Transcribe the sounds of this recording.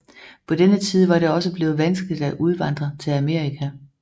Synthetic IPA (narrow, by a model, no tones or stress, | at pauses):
pʰɒ̽d̥enət͡sʰiːð̞ˠʋɑ̈dɾe̝ɒ̽səb̥le̝ːð̩ˠʋænsɡ̥lid̥æʔuð̞ˠʋɑ̈n̰d̥ʁɐt͡sʰe̝læme̝ɐ̰ʁikʰæ